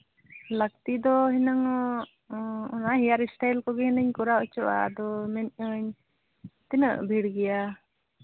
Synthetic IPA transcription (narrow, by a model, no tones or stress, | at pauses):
ləkt̪id̪ɔɦinaŋɔ | ɔnaʔɦijaɾisʈajlkɔɡɛhɛnəɲkɔɾaɔt͡ʃɔʔa̰d̪ɔmɛɲəɲ | t̪ɛnə̰ʔbʱiɽɡɛja